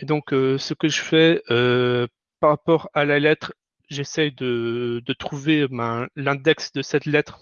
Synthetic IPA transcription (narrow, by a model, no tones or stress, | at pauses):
ed̪ɔ̃køsəkəʒəfɛø | paʁapɔʁalalɛt̪χ | ʒesɛjd̪əd̪ət̪χuvebɛ̃lɛ̃d̪ɛksd̪əsɛt̪lɛt̪χ